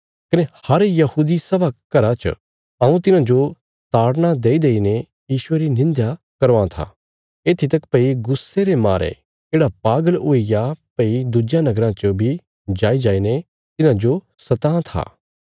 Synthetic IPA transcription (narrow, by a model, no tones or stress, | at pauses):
kɐnehɐɾjɐhuːd̪isɐbakɐɾãt͡ʃə̰ | ɐ̃ũt̪ɪnãd͡ʒo | t̪aːɽnad̪eːid̪eːine | jiːʃʊeɾinɪ̃nd̪ja | kɐɾoãt̪ʰa̰ | eːt̪ʰit̪ɐkpɐiɡʊsːeɾemaːɾḛ | keːɽapaːɡəloːijapɐid̪ud͡ʒjanɐɡəɾãt͡ʃəbʱi | d͡ʒaːid͡ʒaːine | t̪ɪnãd͡ʒo | sɐt̪ãːt̪ʰa̰ː